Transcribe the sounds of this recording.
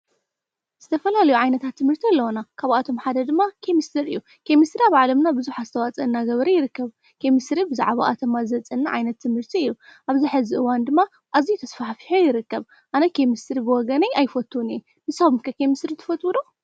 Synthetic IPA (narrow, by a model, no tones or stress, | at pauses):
z̥ɨt̪ʰɐfɐlalɐjuʕajnɐt̪ʰat̪ʰːɨmhɨɾt̪ʰilːɐwonakʰaβat̪ʰo̞mħad̪ɐd̪ɨmːakʰemist̪ʰɨɾɨjːu | kʰemist̪ɾiaβʕalɐmnabɨzuħazɨt̪ʰɐwat͡sʼɐnːaɡɐβɾɐjɪɾɨkːɐβ | kʰemisɾibɨza̰ʕβa̰ʔat̪ʰɐmazɨɐt͡sʼːɨnːaʕa̰jnɐt̪ʰːɨmhɨɾt̪ʰiɨjːuʔaβziħɨziʔɨwand̪ɨmːa | ʔazijt̪ʰɐsfaħfi̥ħojɪɾɨkːɐβ | ʔanɐkʰemist̪ɨɾibɨwɔɡɐnɐjajfɐt̪ʰːuniɛ | mɨsaβumkʰɐkʰemisɾit̪ʰɨ̥fɐt̪ʰʼwud̪o